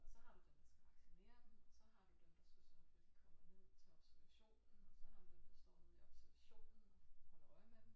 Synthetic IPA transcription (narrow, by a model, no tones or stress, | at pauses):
ɒsɒ̽hɑ̈d̥ud̥end̥ɑsɡ̥æʋɑ̈ɡ̥ɕo̝ne̝̰ːɐdn̩ɒsɒ̽ɦɑ̈d̥ud̥emd̥ɑsusɒnelkʰɒmɐhuð̰ˠt͡sʰeɒb̥sæɐʋæɕo̝̰ːnɒsɒ̽hɑ̈d̥ud̥emd̥ɑsd̥ɒ̰ːuð̰ˠiɒb̥sæɐʋæɕo̝̰ːn̩ɒ̥ɒduɒɪmed̥m̩